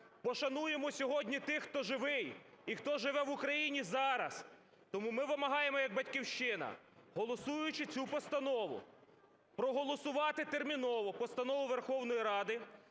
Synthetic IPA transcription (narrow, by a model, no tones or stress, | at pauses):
pɔʃɐnujemɔsʲɔɦɔdʲnʲit̪ɪxt̪ɔʒɪʋɪj | ixt̪ɔʒɪʋɛʋʊkɾɐjinʲizɑɾɐs | t̪ɔmumɪʋɪmɐɦɑjemɔjɐɡ̚bɐtʲkʲiwʃt͡ʃɪnɐ̰ | ɦɔlˠɔsujjʊt͡ʃɪt͡sʲupɔst̪ɐnɔʋʊ̰ | pɾɔɦɔlˠɔsʊʋɑt̪ɪt̪ermʲinɔʋɔpɔst̪ɐnɔʋʊʋerxɔwnɔjiɾɑd̪ɪ